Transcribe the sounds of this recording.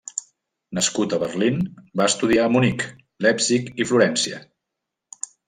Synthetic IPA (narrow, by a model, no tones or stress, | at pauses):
nəskut̪əβərlinbaəst̪uðiamunik | lɛpsikifluɾɛnsiə̰